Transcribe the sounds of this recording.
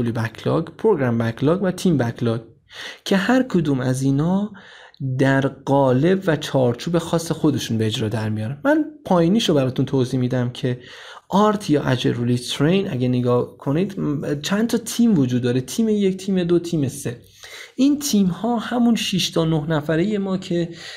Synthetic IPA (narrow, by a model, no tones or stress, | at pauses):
olibækʰlɒ̰ɡpʰɾoɡɾæmbækʰlɒɡvæt̪ʰiːmbækʰlɒɡ | cʰe̞hæɾkʰod̪uːmæziːnɒː | d̪æɾɢɒːle̞bvæt͡ʃʰɒːɾt͡ʃʰuːbe̞xɒːsːexo̞d̪e̞ʃunbeed͡ʒɾɒːd̪æɾmijɒːɾænmænpʰɒːjiniːʃobæɾɒːt̪ʰunt̪ʰoːziːmid̪æmcʰe̞ | ʔɒɾt̪ʰjɒːʔæd͡ʒeɾulit̪ʰɾejnʔæ̰ɟæneɡɒːhkʰo̞nid̪̥t͡ʃʰænt̪ʰɒːt̪ʰiːmvod͡ʒud̪ːɒːɾet̪ʰiːmeject̪ʰiːme̞d̪ot̪ʰiːme̞se̞ | ʔint̪ʰiːmhɒːhæmunʃiʃt̪ʰɒːnohnæfæɾeje̞mɒːcʰe̞